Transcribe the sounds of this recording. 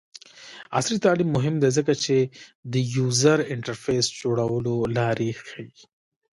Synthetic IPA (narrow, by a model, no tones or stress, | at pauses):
a̰slit̪aːlimːʊɦɪmd̪ezəkat͡ʃed̪əjuːzəɾɪɳʈəɾfeːsd͡ʒoɽawəlolaːɾixai